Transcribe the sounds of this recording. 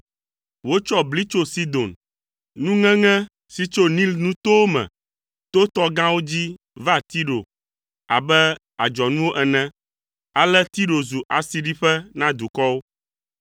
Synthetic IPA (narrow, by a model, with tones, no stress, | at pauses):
wo˦t͡ʃɔ˦bli˦t͡ʃo˦si˦d̪o˨n | nũ˦ŋɛ̃˦ŋɛ̃˦ | si˦t͡ʃo˦nĩ˦lnũ˦t̪o˦mɛ̰̃˨ | t̪o˦t̪ɔ˦ɡã˦wo˦d͡ʑi˦ | va˦t̪i˦ɖo̰˨ | a̰˨bɛ˦ | a˨d͡ʒɔ˨nũ˦wo˦ʔɛ˨nɛ̃˦ | a˨lɛ˦t̪i˦ɖo˨zu˨ʔa˨si˨ɖi˦ɸɛ˦nã˦d̪u˨kɔ˦wo˦